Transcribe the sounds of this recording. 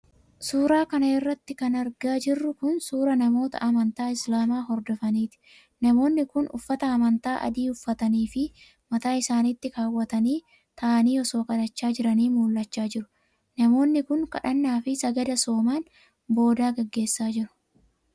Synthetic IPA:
suːɾaːkɐnɐɪrːɐt̪ːɪkɐnɐɾɡaːd͡ʒɪrːʊkʊnsuːɾɐnɐmo̞ːt̪ɐ̰ʔɐmɐnt̪aːɪslaːmaːɦɔɾd̪ɔfɐniːt̪ɪ̥ | nɐmo̞ːnːɪkʊnʊ̰fːɐt̪ɐːmɐnt̪aːʔɐ̰d̪iːʊfːɐt̪ɐniːfɪ | mɐt̪aːɪsaːnit̪ːɪkaːwːɐt̪ɐniː | t̪ʰɐʔːniːɔso̞ːkɐd̪ɐt͡ʃːaːd͡ʒɪɾɐniːmuːlːɐt͡ʃːaːd͡ʒɪɾʊ̥ | nɐmo̞ːnːɪkʊŋkɐ̰ᶑɐnːaːfɪsɐɡɐd̪ɐso̞ːmaːn | bo̞ːd̪aːɡɐɡːe̞ːsːaːd͡ʒɪɾʊ̥

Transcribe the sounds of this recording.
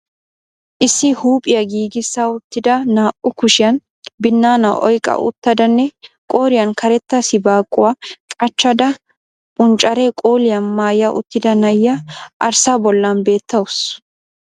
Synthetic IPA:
ʔɪsːɪhuːpʼɪjɐɡiːɡɪsːaʊt̪ːɪd̪ɐnaːʔʊkʊʃɪjɐn | bɪnːaːnɐʔɔ̰jkʼɐ̰ʔʊ̰t̪ːɐd̪ɐnːɛkʼo̞ːɾɪjɐnkɐɾɛt̪ːɐsɪbaːkʼːʊwaːkʼɐt͡ʃːɐd̪ɐ | pʼʊnt͡ʃʼːɐɾɛkʼoːlɪjɐnmaːjɐʔʊ̰t̪ːɪd̪ɐnɐjːɐʔɐɾsabɔlːɐnbe̞ːt̪ʰːɐwʊs

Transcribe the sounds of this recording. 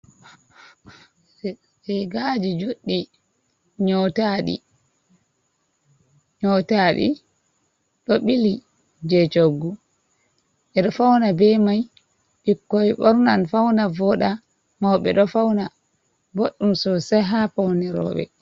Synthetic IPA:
ɛɡad͡ʒid͡ʒuɗːi | ɲɔtaɗḭ | ɲɔtaɗḭ | ɗɔɓili | d͡ʒɛt͡ʃoɡːu | ʔɛɗɔfawnabɛmaj | ɓikːɔjɓɔɾnanfawnavɔɗa | mawɓɛ̰ɗɔfawna | boɗːumsɔsɛɦapawnɛɾɔ̰ːɓɛ̰

